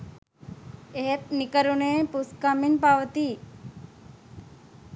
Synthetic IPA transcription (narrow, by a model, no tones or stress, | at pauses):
eɦp̚nɪkəɾonepʊskaːminpaːʋət̪iː